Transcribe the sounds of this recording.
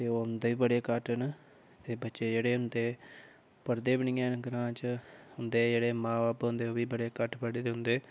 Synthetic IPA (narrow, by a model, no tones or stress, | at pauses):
t̪eːoːɦʊnd̪eːiːbəɽeːkəʈənə | t̪eːbətːʃeːd͡ʒeːɽeːɦʊnd̪eː | pəɾd̪eːbɪɳɪːaːnɡəɾãːt͡ʃəhʊnd̪eːd͡ʒeːɽeːmãːbaːpɦʊ̃nd̪eːoːʋiːbəɽeːkəʈpəɽeːt̪eɦʊ̃nd̪eː